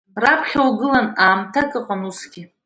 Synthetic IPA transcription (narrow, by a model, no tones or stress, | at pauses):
rapʰχʲawɡɨlanaːmtʰakʼɨqʼanusɡʲi